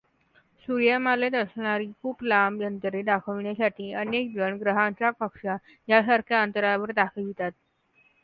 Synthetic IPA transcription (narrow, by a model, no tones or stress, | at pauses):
suɾjamaled̪əɾsɳaɾiːkʰuːplamjənt̪əɾed̪akʰəʋɳjasaʈʰiːənek̚d͡zəɳɡɾəɦaɲt͡ɕapəkʂa | jasaɾkʰjaənt̪əɾaʋəɾd̪akʰəlit̪at̪̚